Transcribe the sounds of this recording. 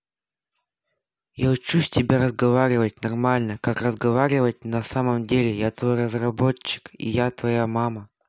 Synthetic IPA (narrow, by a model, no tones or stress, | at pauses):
jaʊt͡ɕːusʲtʲɪbʲaɾəzɡɐvaɾʲɪvətʲnɐrmalʲnəkakrəzɡɐvaɾʲɪvət̚ʲnɐsaməmdʲelʲɪjat̪vo̞jrəzrɐbo̞t͡ɕːɪ̥kḭjat̪vɐjamamə